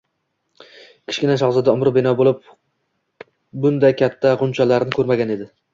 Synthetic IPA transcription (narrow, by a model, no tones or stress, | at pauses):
kʲʰɪ̥ʃkʲɪnaʃɒʁzɪd̪aʊmɾʊbɪnɒbolˠɪp̚ | bʊnd̪ajkʲʰat̪ʰːaʁʊnt͡ʃʰalaɾɪnɪkʰɵɾmaɡʲane̞d̪ɪ